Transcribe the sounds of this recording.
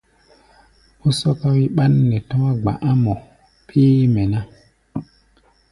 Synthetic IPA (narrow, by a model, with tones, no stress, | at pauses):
u˦sɔ˦ka˦wi˦ɓa˦nːɛ˨tɔ˦a˦ɡ͡ba̰˨ʔa˦mɔ˨ | pʰiː˦mɛ˨na˦